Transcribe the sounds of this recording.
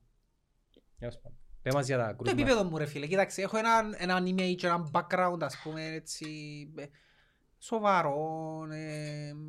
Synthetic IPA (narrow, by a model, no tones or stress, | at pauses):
aspɐpemɐzjɐt̪ɐ̰kɾuoepipeðomːuɾefilecit̪aksiexoenɐnenɐnimeit͡ʃːenambakɾaund̪ɐspumenet͡sːi | sovɐɾone